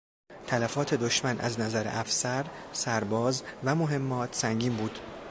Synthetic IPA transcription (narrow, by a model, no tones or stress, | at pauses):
t̪ʰælæfɒːt̪ʰe̞d̪oʃmænʔæ̰znæzæɾeʔæfsæɾsæɾbɒːzvæmo̞ɦe̞mːɒːt̪ʰsæŋɟiːmbuːd̪̥